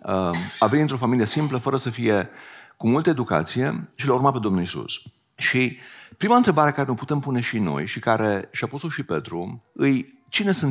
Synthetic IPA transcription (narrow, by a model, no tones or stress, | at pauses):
əavenʲɨnt̪ɾo̞familije̞simpləfəɾəsəfije̞kumult̪əed̪uka̰t̪sije̞̰ʃilaurmape̞d̪o̞mnulisṵs | ʃipɾimaɨnt̪ɾe̞baɾe̞kaɾe̞noput̪e̞mpune̞ʃino̞̰jʃikaɾe̞ʃiapusoʃipe̞̰t̪ɾuɨj | t͡ʃine̞sɨn